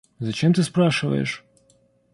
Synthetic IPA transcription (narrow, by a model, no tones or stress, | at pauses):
zat͡ɕɛmt̪ɨspɾaʂa̰ɛ̰ʂ